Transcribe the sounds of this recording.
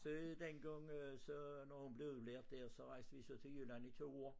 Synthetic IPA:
sɔd̪enɡɑŋsɔnɔhunb̥le̝ʉðˠbleɐd̪̥̚d̪æɐsɔʁaɪsd̥əʋisot̪ʰejylænit̪ʰoːoː

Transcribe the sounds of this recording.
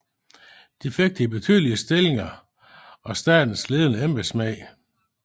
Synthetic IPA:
d̥ifeɡ̥̚d̥əib̥e̝t͡sʰyðˠliəsd̥e̝le̝ŋɐ | ɒ̽sd̥ɛ̰ːd̥n̩sle̝ːðˠənəemb̥esmɛɪ

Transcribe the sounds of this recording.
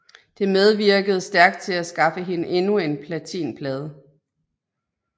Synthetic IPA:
d̥e̝með̞ˠʋiɐɡ̥əð̞̩ˠsd̥æɐɡ̥d̥̚t͡sʰe̝læsɡ̥ɑ̈fəɦe̝nəʔe̝nue̝npʰlæt͡sʰḭːnpʰlɛːð̞ˠ

